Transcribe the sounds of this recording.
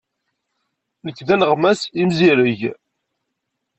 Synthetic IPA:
nəkːðænəʁmæsimziɾəʝ

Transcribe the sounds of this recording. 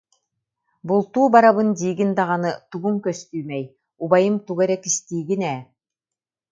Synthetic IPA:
bulˠt̪uːbaɾaβɯnd̪iːɡind̪aʁɑnɯt̪uɡuŋkœst̪yːmɛj | ubajɯmt̪uɡɛɾɛkist̪iːɡinɛː

